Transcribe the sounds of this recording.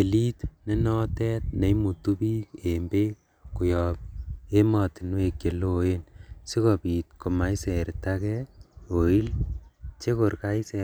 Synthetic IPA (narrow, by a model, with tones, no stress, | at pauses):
e˨li˦tne˦nɔ˦tɛ˦t̚ne˨˦imu˨tu˦pi˦ke˨mbe˦ | ku˨jɔ˨p̚e˦mɔ˨ti˨nwe˨ke˨lo˦e˦nsi˦kɔ˨pi˨t̚ko˨ma˨i˦sɛ˨ɾtakɛo˨i˦lt͡ʃe˦ko˨ɾka˦i˦sɛ